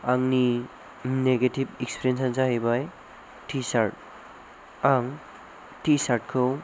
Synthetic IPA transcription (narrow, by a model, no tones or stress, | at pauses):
aŋni | neɡetibekspʰiɾijensansaɦibaj | tʰisaɾt̚ | aŋ | tisaɾʈ̚kʰɯw